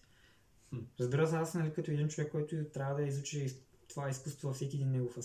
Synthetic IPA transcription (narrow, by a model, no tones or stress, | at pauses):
ɾɐzbiɾɐsasnalikat̪ɔɛd̪int͡ʃovɛkːɔjt̪ut̪ɾabɐd̪ɐjizut͡ʃɛ | t̪voaiskust̪vɐvɐfsɛkʲiɛd̪inmɛɡufa